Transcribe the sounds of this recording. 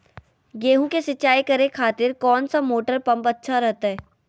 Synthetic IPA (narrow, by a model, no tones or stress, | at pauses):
ɡeːɦũkesɪtːt͡ʃːaːikɐɾekʰaːt̪ɪɾkɔːnsamoːʈəɾpɐ̃mpɐtːʃʰaɾɛɦt̪aɦɛː